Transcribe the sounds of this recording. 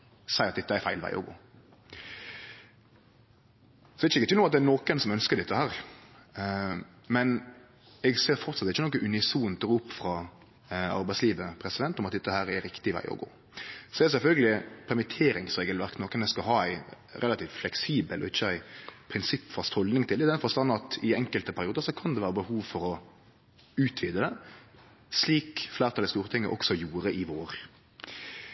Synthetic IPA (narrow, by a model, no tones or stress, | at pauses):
sæɪɑt̪̚d̪ɪt̪ːəæɪɾfæɪlʋæ̰ɪʔɔ̰ɡo̰ː | sɔd̪ɛɪt͡ʃːəɪkət̪ylʊmɑt̪d̪ɛænoːkənsɔmœnskəɾd̪ɛt̪ːəhæːɾ | mɛn | ɛɡseːɾfɔɾt̪sɑt̪ːɪçːənɔːk̬ːəʔʉnɪsuːnt̪ʰɔɾʊpːfɾɑː | ɑ̰ɾbæɪsliːʋəpʰɾɛsɪd̪ɛnt̪ɔmɑt̪d̪ɛt̪ːəhæːɾɛɾɾɪkt̪ɪʋæ̰ɪɔ̰ɡo̰ː | sɔɛɛsɛlfœlɡəlɪpʰæɾmɪt̪ʰeːɾɪŋsɾeːɡəlʋæɾknoːkːənd̪ɛskɑɦɑːæɪ | ɾɛlɑt̪iːft̪flɛksiːbəlɔ̰ɪçːəæɪpʰɾɪnsɪpːfɑst̪hɔld̪nɪŋt̪ʰɪld̪ɪd̪ɛnfɔɾst̪ɑnːɑt̪ɪɛŋkəlt̪əpʰæɾɪuːd̪əɾsɔkʰɑnd̪ɛʋæːɾəbəhuːʋfɔɾɔ | ʉːt̪ʰʋiːd̪əd̪ɛ | sliːkflæːɾt̪ʰɑləst̪uːɾət̪ʰɪŋːəʔɔ̰ksɔjuːɾəʔɪʋoːɾ